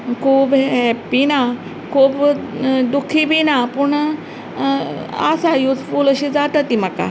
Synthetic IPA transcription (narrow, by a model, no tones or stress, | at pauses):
kʰuːbɦɛpina | kʰuːbd̪ukʰːibinapuɳ | a̰sajuːt̪ʰfuːləɕid͡zaʈət̪imaka̰